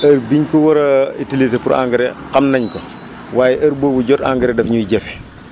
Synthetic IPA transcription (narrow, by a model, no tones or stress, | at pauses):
ɐɾbiɲkɔwɐɾɐitilis̬epuɾa̰ːŋɡɐɾɛqɐmnɐɲko | waːjɛʔɐɾboːbuɟɔta̰ːŋɡɐɾɛdɐfɲujiɟɛf